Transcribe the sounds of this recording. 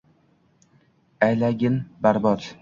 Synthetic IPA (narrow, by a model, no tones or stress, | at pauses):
ajlaɡʲɪnbaɾbɒt̪